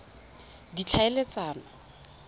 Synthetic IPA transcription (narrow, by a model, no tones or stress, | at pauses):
dit͡ɬʰaelet͡saːnɔ